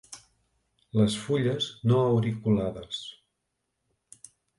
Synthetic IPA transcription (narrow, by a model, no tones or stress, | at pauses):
ləsfuʎəznoəwɾikulaðəs